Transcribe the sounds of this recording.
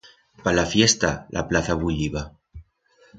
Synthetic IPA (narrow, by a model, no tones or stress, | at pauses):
palafjest̪alʔa̰plaθaβuʎiβa